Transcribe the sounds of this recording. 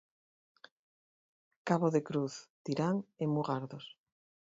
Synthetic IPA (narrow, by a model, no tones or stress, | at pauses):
kaβoðekɾuθt̪iɾaŋemuɣaɾðos